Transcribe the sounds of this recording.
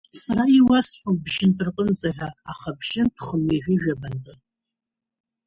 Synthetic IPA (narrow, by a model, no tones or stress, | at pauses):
saɾaiwasħʷubʒɪntʰʼɨrqʼənzaħʷᶣaːχabʒɪntʰχəneʒʷᶣɪʒᶣabantʼɨ